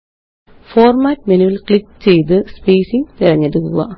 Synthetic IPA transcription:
foːrmaːtːmenuʋilkɭikːt͡ɕe̞jt̪̬ɨspejsiŋt̪irɐɲːeɽukːuɣɐ̰

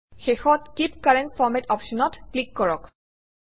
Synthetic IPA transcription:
xexɔtkip̚kaɹɛntfɔɹmɛtɔpʃɔnɔtklikːɔɹɔk

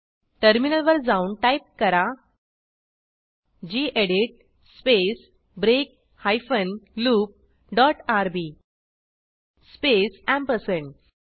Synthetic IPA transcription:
ʈəɾminəlʋəɾd͡zaunʈaip̚kəɾa | d͡ʑiːʔeɽiʈ̚ | spes | bɾek̚ | hajfənluːp̚ | ɖɔʈaɾbi | spesɛ̃mpəsəɳ

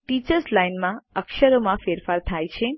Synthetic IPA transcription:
ʈit͡ʃəɾslajnmãəkʃəɾomãfeɾfaɾt̪ʰajt͡ʃʰẽ

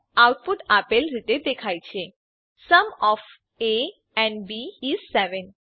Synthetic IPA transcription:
awʈ̚puʈapelɾit̪ed̪ekʰajt͡ʃʰe | səmɔf | e | ɛ̃ɳɖbiːzsɛʋən

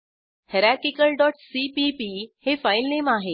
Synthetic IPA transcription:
heɾaɾkikəlɖɔʈsipipihefailnemaɦe

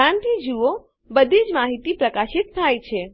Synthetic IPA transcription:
ãnt̪id͡ʒuo | bəd̪ʱid͡ʒmaɦit̪ipɾəkaʃɪt̪̚t̪ʰajt͡ʃʰe

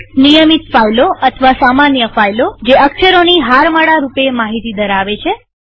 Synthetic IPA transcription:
nijəmit̪fajloət̪ʰʋasamanjəfajlod͡ʒeʔəkʃəɾoniɦaɾməɽaɾupemaɦit̪id̪əɾaʋet͡ʃʰe

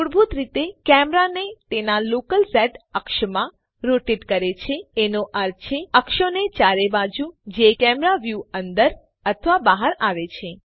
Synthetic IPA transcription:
uɽbʱut̪ɾit̪ekɛmɾanet̪enalokəlsɛʈəkʃəmã | ɾoʈiʈkəɾet͡ʃʰeenoʔəɾt͡ʃʰeəkʃənet͡ʃaɾebad͡ʒud͡ʒekɛmɾaʋjuənd̪əɾ | ət̪ʰəʋabaɦəɾaʋet͡ʃʰe

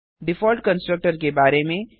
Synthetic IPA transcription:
ɖɪfɔːlʈkə̃nsʈɾək̚ʈəɾkebaːɾemẽ

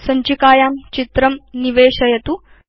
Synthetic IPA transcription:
sɐɲt͡ʃikaːjaːmt͡ʃit̪ɾɐmniʋeːɕɐjɐt̪u

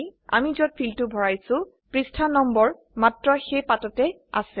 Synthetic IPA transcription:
a̰mizɔt̚pʰiltʊbʱɔɹajsʊ̃ | pɹistʰanɔmbɔɹ | matɹɔxejpatɔtɛ | a̰sɛ

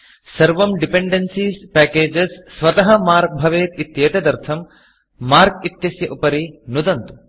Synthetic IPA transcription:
sɐɾʋɐmɖipeɳɖensiːspæːkeːd͡ʒɐsːʋɐt̪ɐɦɐmaːɾk̚bʱɐʋeːt̪it̪jeːt̪ɐd̪ɐɾt̪ʰɐmː | aːɾkit̪jɐsjɐʔupɐɾinud̪ɐnt̪u̥

